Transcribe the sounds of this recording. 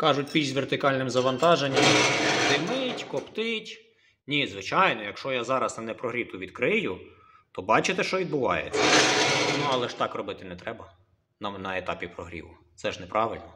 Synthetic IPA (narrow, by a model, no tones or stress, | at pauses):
kɑʒʊtʲpʲiʒzʲʋert̪ɪkɑlʲnɪmzɐʋɐnt̪ɑʒenʲːɐmt̪ɪmɪtʲkɔpt̪ɪtʲ | nʲizʋɪt͡ʃɑjnɔjɐkʃt͡ʃɔjazɑɾɐsɐnɛpɾɔɦɾʲit̪ʊʋʲid̪kɾɪjʊ | t̪ɔbɑt͡ʃɪt̪ɛʃt͡ʃɔʋʲid̪̚bʊʋɑ̰jḛt͡sʲːɐnuɐlˠɛʃt̪ɑkrɔbɪt̪ɪnɛt̪ɾɛbɐ | nɐnɐet̪ɑpʲipɾɔɦɾʲḭʋʊ | t̪sɛʒnɛpɾʔɑʋɪlʲnɔ